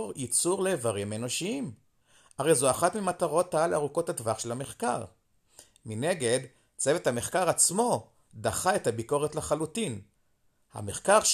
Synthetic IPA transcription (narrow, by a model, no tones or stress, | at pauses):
ʁjit͡suʁleːvaʁime̞no̞ʃiim | aʁe̞jzuaχatmimataʁo̞tːaalaʁuko̞thadvaχʃelhameχkaʁ | mine̞ɡe̞d | t͡sevethame̞χkaʁat͡smo̞ | daχae̞thabiko̞ʁetleχalutin | ha̰meχkaʁʃ